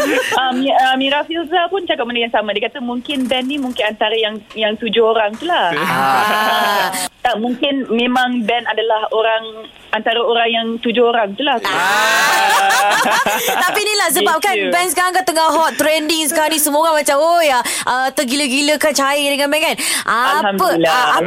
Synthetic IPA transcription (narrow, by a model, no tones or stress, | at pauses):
amiəmiɾafilzapʊnt͡ʃakap̚məndəkaŋsamãdiakat̪əmuŋkɪnbɛnːimuŋkɪnant̪aɾajaŋjaŋt̪ud͡ʒʊoɾaŋt̪ula | t̪aʔmũŋkɪnmẽmãŋbɛnadalahoɾaŋ | ant̪aɾaoɾaŋjaŋt̪ud͡ʒʊoɾaŋt̪ulaha | t̪apinilahs̬əbap̚kanbɛnsə̥kaɾaŋkat̪əŋaɦɔt̪t̪ːɾɛndiŋsə̥kaɾanisəmoɡamat͡ʃamojaʔət̪əɡiləɡiləkat͡ʃajədəŋãnbɛnkanʔampəaa